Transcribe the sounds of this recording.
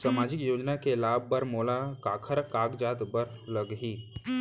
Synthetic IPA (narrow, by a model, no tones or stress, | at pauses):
samad͡ʑɪkjoːd͡ʒnakelaːbːəɾmoːlakakʰəɾkaːɡd͡ʒat̪bəɾləɡɦiː